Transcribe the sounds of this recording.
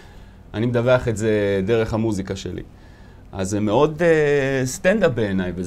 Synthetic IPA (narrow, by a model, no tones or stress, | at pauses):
ʔanimed̪aveaχeze̞d̪e̞ʁe̞χhamuzikaʃḛlʔḭ | ʔa̰zemeo̞dest̪ɛnd̪ap̚be̞ːnajve